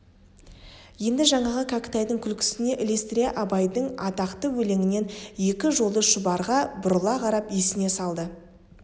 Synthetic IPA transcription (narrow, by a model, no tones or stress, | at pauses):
je̞nd̪ɪʒɑɴɑʁəkʰakʲt̪ɑjd̪əŋkʲʰʏlkʲʰɪ̥sɪne̞ʔɪlest̪ɾʲeʔɑbɑjd̪əɴɑt̪ɑqt̪əwɵle̞ŋɪne̞nje̞kʲɪʒo̞lˠəʃʊbɑɾʁɑbʊɾəlˠɑqʰɑɾɑpesɪne̞sɑlˠd̪ə